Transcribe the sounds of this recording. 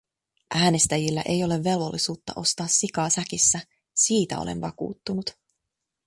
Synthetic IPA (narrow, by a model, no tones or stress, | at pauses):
ʔæːne̞st̪æjilːæ̰ʔe̞jo̞le̞ʋːe̞lʋo̞̰lːisuːt̪ːɑ̰ʔo̞st̪ɑːsːikɑːsækisːæ | siːt̪æ̰o̰lḛnʋɑkṵːt̪ːunut̪